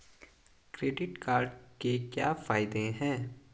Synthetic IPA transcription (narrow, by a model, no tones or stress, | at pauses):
kɾeːɖɪʈkaːɾɖkekja̰ːfaːɪd̪ẽɦɛ̃ː